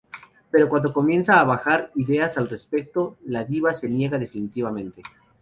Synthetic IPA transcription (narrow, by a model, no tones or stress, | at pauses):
pe̞ɾo̞kwand̪o̞ko̞mje̞nsaːβaxaɾiðe̞asalre̞spe̞k̚t̪o̞laðiβase̞nje̞ɣaðe̞finit̪iβamẽ̞nt̪e̞